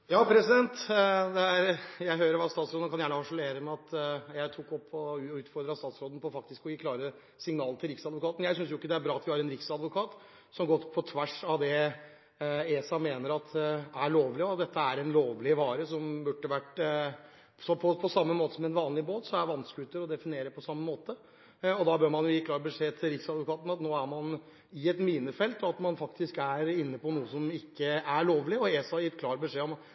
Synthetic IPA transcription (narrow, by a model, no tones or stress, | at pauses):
jɑːpʰɾɛsɪd̪ɛnt̪d̪ɛæɾjæɪɦøːɾəɾʋɑst̪ɑːt̪sɾoːd̪n̩kʰɑnjæːɳəhɑʂɔleːɾəmɛɑt̪jæɪt̪ʰukːɔpʰːɔʉːt̪fɔɾd̪ɾəɑst̪ɑːt̪sɾoːd̪ən̩pʰɔfɑk̚t̪ɪskɔjiːkʰlɑːɾə | sɪŋnɑːlət̪ʰɪlɾɪksɑd̪ʋʊkʰɑːt̪n̩jæɪsʏns̬jʊɪkːəd̪ɛæɾbɾɑːɑt̪ʋɪhɑɾɛnɾɪksɑd̪ʋʊkʰɑːt̪ | sɔmɡɔt̪ːpʰɔt̪ʰʋæʂɑʋd̪ɛ | eːsɑmeːnəɾɑt̪æɭoːʋlɪɔɑt̪̚d̪ɛt̪ʰːəæɾɛnloːʋlɪʋɑːɾəsɔmbʉʈːəʋæʈ | sɔpʰɔpʰɔsɑmːəmoːt̪əsɔmɛnʋɑːnlɪboːt̪sɔmæʋɑnskəʉːt̪əɾɔd̪ɛfɪneːɾəpʰɔsɑmːəmoːt̪ə | ɔd̪ɑbøːɾmɑnjʊjiːkʰlɑːɾbəʂeːt̪ʰɪlɾɪksɑd̪ʋʊkɑːt̪ən̩ɑt̪noːæɾmɑn | ɪɛt̪miːnəfɛlt̪ɔɑt̪mɑnfɑkt̪ɪskæɾɪnːəpɔnuːəsɔmɪkːəæɭoːʋlɪɔeːsɑjɪt̪kʰlɑːɾbəʂeːɔmɑ